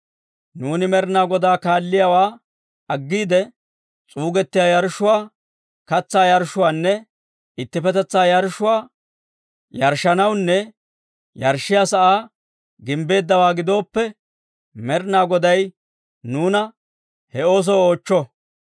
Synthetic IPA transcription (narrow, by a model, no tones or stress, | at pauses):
nuːnɪmɛɾnaːɡɔd̪aːkaːlːɪjawaː | ɐɡːiːd̪ɛ | t͡sʼuːɡɛt̪ːɪjaːjɐɾʃʊwaː | kɐt͡sːaːjɐɾʃʊwaːnːɛ | ɪt̪ːɪfɛt̪ɛt͡sːaːjɐɾʃʊwaː | jɐɾʃːɐnɐwnːɛ | jɐɾʃɪjaːsɐʔaː | ɡɪmbe̞ːd̪ːɐwaːɡɪd̪o̞ːpːɛ | mɛɾnaːɡɔd̪ɐj | nuːnɐ | hɛo̞ːs̬ɔo̞ːt͡ʃːɔ